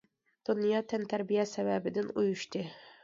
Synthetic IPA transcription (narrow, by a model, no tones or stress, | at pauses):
d̪̥unjɑːt̪ʰɛnt̪ʰæɾbijɛsɛvɛbɪd̪ɪnujuʃt̪ʰɨ